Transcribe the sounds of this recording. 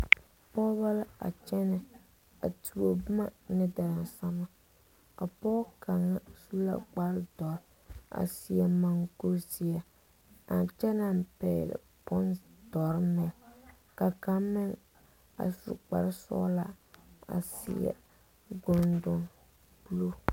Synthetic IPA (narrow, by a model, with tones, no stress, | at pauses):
pɔ˦ba˦la˦a̰˨t͡ʃɛ˦nɨ˦˨ | a̰˨tu˨o˨bʊ˦ma˦nɪ˦da˨ɾa˨n˨sa˦ma˦ | a̰˨pɔ˦ka˨ŋːa˦su˦la̰˦k͡pa˦ɾdɔ˨ɾ | a̰˨si˨˦ɛ˨ma˨ŋɡo˦si˦a˦ | a˨nt͡ʃɛ˦na˦mpɛ̰ː˨lɪ̰˨ | pʊ˦nd̥ɔ˨ɾmɪ˨ŋ | ka˨ka˦mmɪ˦ŋ | a̰˨sṵ˨k͡pa̰˨ɾɪ˦sɔ̰˦la̰˦a̰˨sḭ˨ɛ̰˨ | ɡʊ˨ndʊ˨ŋ | pu˦lu˦